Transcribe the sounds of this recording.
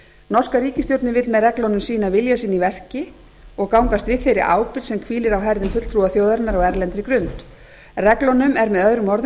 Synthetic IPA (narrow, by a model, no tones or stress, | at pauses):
nɔr̥skaɾiːcɪst̪jowt̪nɪvɪt̪lmɛðrɛklɔnʏmsiːnavɪljasiːnivɛr̥cɪ | ɔɣkawŋkast̪vɪðθejɾɪ̰ʔaːwpɪɾsɛmkʰviːlɪɾawɦɛɾðʏmfʏt̪l̥t̪ʰɾuːaθjoːwðaɾnaɾaɣɛɾlɛnt̪ɾɪkɾʏnt̪ | rɛklɔnʏmɛɾmɛðœðɾʏmɔɾð